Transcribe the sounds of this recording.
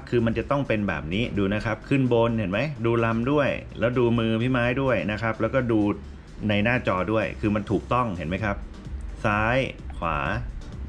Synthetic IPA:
p̚kʰɯː˧ma˧nt͡ɕa˨˩t̪ɔ˥˩ŋpe˧nbɛ̰ː˨˩p̚niː˦˥duː˧na˦˥kʰa˦˥p̚kʰɯ˥˩nbo˧nhe˩˦nma˦˥jduː˧la˧mdu˥˩əjlɛː˦˥wduː˧mɯː˧pʰiː˦˥˩maː˦˥jdu˥˩əjna˦˥kʰa˦˥p̚lɛː˦˥wkɔː˥˩duː˧ | na˧jnaː˥˩t͡ɕɔː˧du˥˩əjkʰɯː˧ma˧nt̪ʰuː˨˩k̚t̪ɔ˥˩ŋhḛ˩˦nma˦˥jkʰa˦˥p̚ | saː˦˥jkʰwa̰ː˩˦

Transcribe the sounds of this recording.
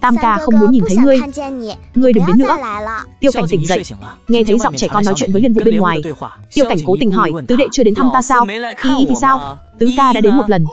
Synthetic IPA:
t̪aː˧mkaː˧xə˧wŋ͡mmu˨˦nɲi˨˩nt̪ʰə˨˦jŋɨ˧əj | ŋɨ˧əjɗɨ˨˩ŋɗe˨˦nːɨ̰˧˥ət̪i˧əwka˧˩jŋ̟t̪ï˧˩ŋ̟zə̰˧˨jʔŋɛ˧t̪ʰə˨˦jzɔ̰˧˨ŋ͡mt͡ɕɛ˧˩kɔ˧nɔ˨˦jt͡ɕwḭ˧˨nvəː˨˦li˧ənvṵ˧˨ɓe˧nŋwaː˨˩j | t̪i˧əwka˧˩jŋ̟ko˨˦t̪ï˨˩ŋ̟ɦɔ˧˩jt̪ɨ˨˦ɗḛ˧˨t͡ɕɨ˧əɗe˨˦nt̪ʰaː˧mt̪aː˧saː˧wxi˧ʔi˨˦t̪ʰi˨˩saː˧w | t̪ɨ˨˦kaː˧ɗa̰ː˧˥ɗe˨˦nmo˨˩t̚lə˨˩n

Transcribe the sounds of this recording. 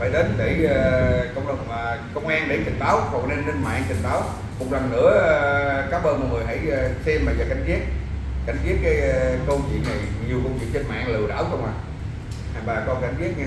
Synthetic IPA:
faː˧˦jɗe˨˦nɗe˧˩ə˧kə˧wŋ͡mɗə˨˩wŋ͡mkə˧wŋ͡mʔaː˧nɗe˧˦t͡ɕ̪ï˨˩ŋ̟ɓaː˨˦whɔ˨˩k̚ne˧nːə˧nma̰ː˧ŋt͡ɕ̪ï˨˩ŋ̟ɓaː˨˦w | mʊ˨˩k͡p̚la˨˩ŋnɨ̰˧˥ə˧kaː˨˦˥mʔəː˧nmɔ˨˩ŋɨ˨˩əjɦa̰˧˩jsɛ˧mɓaː˨˩zaː˨˩ka˧˦ŋzi˦˥ət̚ | ka˧˦jŋ̟zi˦˥ət̚kaː˨˦jkə˧wt͡ɕwḭ˧˨nna˨˩jɲi˨˩əwkə˧wt͡ɕwḭ˧˨ənt͡ɕə˧nma̰ː˧˨ŋlɨ̰˧˨ə˩ɗa̰ː˧˥˦wxə˧wŋ͡mʔaː˨˩ | hɓaː˨˩kɔ˨˦ka˧˩ŋzi˦˥ət̚ɲa˧

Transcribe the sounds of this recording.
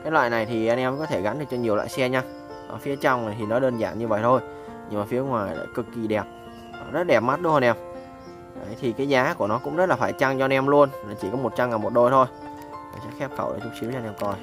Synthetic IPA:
kaː˨˦jlwa̰ː˧˨na˨˩jt̪ʰi˨˩ʔa˧nʔɛ˧mkɔ˨˦t̪ʰe˧˩ɣa˨˦nɗɨ˨˩k̚t͡ɕɔ˧ɲi˨˩əwla̰ː˧˨jsɛ˧ɲaː˧ | a̰ː˨˩fi˨˦ət͡ɕa˧wŋ͡mna˨˩t̪ʰi˨˩nɔ˨˦ɗəː˧nza̰ː˧˩nɲɨ˧və̰˧˨jt̪ʰo˧j | ɲɨ˧ŋmaː˨˩fi˨˦əŋwaː˨˩jla̰ː˧˩jkɨ˨˩kːi˨˩ɗɛ˨˩p̚ː | zə˦˥t̚ɗɛ˨˩p̚ma˦˥t̚ɗɨ˧˦whaː˧nʔɛ˧m | ʔə̰˨˦jt̪ʰi˨˩kaː˨˦jzaː˨˦ku˧˩ənɔ˨˦kʊ̰˧˥ŋ͡mzə˦˥t̚laː˨˩faː˧˩jt͡ɕa˧ŋt͡ɕɔ˧a˧nʔɛ˧mlu˧ənlaː˨˩t͡ɕi˧˩kɔ˨˦mo˨˩t̚t͡ɕa˧mŋaː˨˩nmo˨˩t̚ɗo˧jt̪ʰo˧j | aː˨˩sɛ̰˧˥xɛ˦˥p̚xə˧˩wʔa̰ː˧˩t͡ɕʊ˨˥k͡p̚si˨˦wa˧nʔɛ˧mkɔ˧j

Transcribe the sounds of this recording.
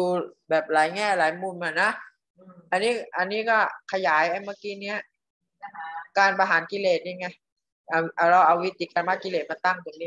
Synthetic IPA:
uː˧bɛː˨˩p̚laː˩˦jŋɛː˧˥˩laː˨˦jmuː˧˩nma˨˧˩na˦˥ | ʔa˧nːiː˦˥ʔa˧nːiː˦˥kɔː˥˩kʰa˧jaː˩˦jʔa˧˩jmaː˧˥˩kiː˧˥ni˦˥ɐ | kaː˧npa˧ɦaː˨˩˦nki˧leː˨˩t̪̚ɲa˧˩ŋa˧˩j | ʔa˧ʔa˧lɔː˧˩ʔa˧wi˦˥t̪ʰːiː˧˩ka˧ma˦˥ki˧leː˨˩t̪̚ma˧nt̪a˥˩ŋt̪ʰɯ˨˩˦ŋniː˦˥˩

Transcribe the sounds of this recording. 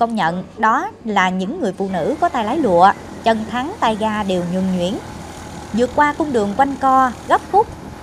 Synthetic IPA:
kə˧wŋ͡mɲə̰˧˨nɗɔ˨˦laː˨˩ɲɨ̰˧˥ŋːɨ˨˩əjfṵ˧˨nɨ̰˧˥kɔ˨˦t̪aː˧jlaː˨˦jlṵ˧˨ə | t͡ɕə˧˩nt̪ʰa˨˦ŋt̪aː˧jɣaː˧ɗe˨˩wɲwɨ̰˨˧˩ŋɲwḭ˧˥˩ən | zɨ̰˨˩ət̚kwaː˧kʊ˧wŋ͡mɗɨ˨˩əŋkwa˧jŋkɔ˧ɣə˦˥p̚xʊ˦˥k͡p̚

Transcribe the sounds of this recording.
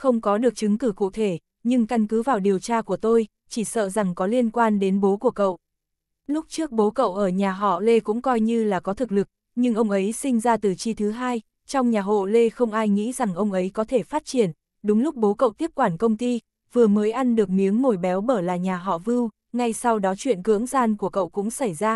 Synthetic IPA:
xə˧wŋ͡mkɔ˨˦ɗɨ˨˩ək̚t͡ɕɨ˨˦ŋkɨ˧˩kṵ˧˨t̪ʰe˧˩ | ɲɨ˧ŋka˧nkɨ˨˦vaː˨˩wɗi˨˩əwt͡ɕaː˧ku˧˩ət̪o˧j | t͡ɕi˧˩sə̰ː˧˨za˨˩ŋkɔ˨˦li˧ənkwaː˧nɗe˨˦nɓo˨˦ku˧˩əkə̰˧˨wʔ | lʊ˦˥k͡p̚t͡ɕɨ˦˥ək̚ɓo˨˦kə̰˧˨wʔəː˧˩ɲaː˨˩ɦɔ̰˧˨le˧kʊ̰˧˥ŋ͡mkɔ˧jɲɨ˧laː˨˩kɔ˨˦t̪ʰɨ˨˩k̚lɨ˨˩k̚ | ɲɨ˧ŋʔə˧wŋ͡mʔə˨˦jsï˧ŋ̟zaː˧t̪ɨ˨˩t͡ɕi˧t̪ʰɨ˨˦ɦaː˧j | t͡ɕɔ˧wŋ͡mɲaː˨˩ɦo̰˧˨le˧xə˧wŋ͡mʔaː˧jŋḭ˧˥za˨˩ŋʔə˧wŋ͡mʔə˨˦jkɔ˨˦t̪ʰe˧˩faː˦˥t̚t͡ɕi˧˩ən | ɗʊ˨˦ŋ͡mlʊ˦˥k͡p̚ɓo˨˦kə̰˧˨wt̪i˦˥əp̚kwaː˧˩nkə˧wŋ͡mt̪i˧ | vɨ˨˩əməː˨˦jʔa˧nɗɨ˨˩ək̚mi˨˦əŋmo˨˩jɓɛ˨˦wɓəː˧˩laː˨˩ɲaː˨˩ɦɔ̰˧˨vɨ˧w | ŋa˧jsa˧wɗɔ˨˦t͡ɕwḭ˧˨ənkɨ̰˧˥əŋzaː˧nku˧˩əkə̰˧˨wkʊ̰˧˥ŋ͡msa˧˩jzaː˧

